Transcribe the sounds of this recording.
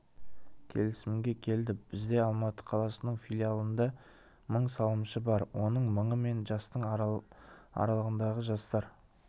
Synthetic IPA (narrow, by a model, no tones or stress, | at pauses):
kʲʰe̞̰lɪsɪmɡʲe̞kʲʰe̞ld̪ɪb̥ɪzd̪e̞ɑlˠmɑt̪ə̥qʰɑlˠɑsənəɴfʲilʲialˠənd̪ɑ | məɴsɑw̪ˠəmʃəbɑɾwo̞nəɴməɴəme̞nʒɑst̪əɴ | ɑ̰ɾɑlˠəʁənd̪ɑʁəʒɑst̪ɑɾ